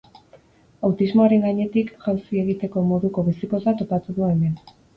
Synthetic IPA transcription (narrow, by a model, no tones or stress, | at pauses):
awt̪izmo̞aɾe̞ŋɡaɲe̞t̪ikʝawsie̞ɣit̪e̞ko̞mo̞ðuko̞βisiko̞sat̪o̞pat̪uðue̞me̞n